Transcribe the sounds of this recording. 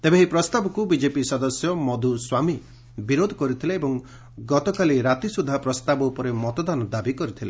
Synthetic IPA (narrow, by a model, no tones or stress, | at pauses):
t̪ebeɦipɾɔst̪abɔkubid͡ʒepisɔd̪ɔsjɔmɔd̪ʱuswami | biɾod̪ʱɔ̥kɔɾit̪ʰileebɔŋ | ɡɔt̪ɔkaliɾat̪isud̪ʱːapɾɔst̪abɔupɔɾemɔt̪ɔd̪anɔd̪abikɔɾit̪ʰile